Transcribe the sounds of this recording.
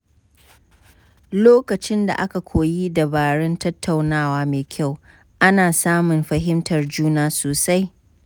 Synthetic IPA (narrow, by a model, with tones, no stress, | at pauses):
loː˦kɐ˨t͡ʃɪ˦nda̰˨ʔa˦ka˨kʷʰoː˨ji˦dɐ˨baː˨ɽɛ˦ntɐ˦tʰːa˨wnaː˦waː˦meː˨kʲʰa˦˨w | ʔa˦naː˨saː˦mʊ˨mɸɐ˨ɦɪ˦mtɐ˨rd͡ʒuː˦naː˦soː˨sa˦j